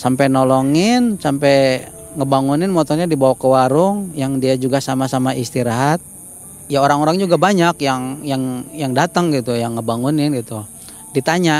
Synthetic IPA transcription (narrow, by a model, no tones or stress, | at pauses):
sampɛnɔlɔŋɪnsampɛŋəbaŋunɪnmɔt̪ɔrɲadibawakəwaɾʊŋjaŋdiad͡ʒuɡasamasamaʔist̪iɾaɦat̪̚ | jaoɾaŋoɾaŋd͡ʒuɡabaɲakjaŋjaŋjaŋdat̪əŋɡit̪ujaŋːəbaŋunɪnɡit̪u | dit̪aɲa